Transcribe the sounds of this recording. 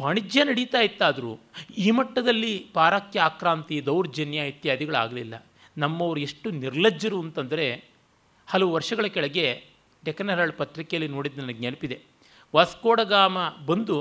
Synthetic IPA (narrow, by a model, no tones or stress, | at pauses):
ʋaːɳid͡ʒjɐnɐɽit̪aːjit̪ːaːd̪ɐɾṵːiːmɐʈːɐd̪ɐlːipaːɾaːkjɐaːkɾaːnt̪id̪ɐwɾd͡ʒɐnjait̪jaːd̪iɡɐɭa̰ːɡɐlilːɐ̰ | nɐmːɐʋɐɾue̞ʂʈːuniɾlɐd͡ʒːɐɾuɐnt̪ɐnd̪ɐɾe̞ | hɐlɐʋuʋɐɾʂɐɡɐɭɐkɛɭɐɡe̞ | ɖɛkɐnɐɾɐɭpɐt̪ɾikejɐlːino̞ːɽid̪ːnɐnɐɡɲɐnɐpid̪e̞ | ʋaːskoːɽɐɡaːmɐbɐnd̪u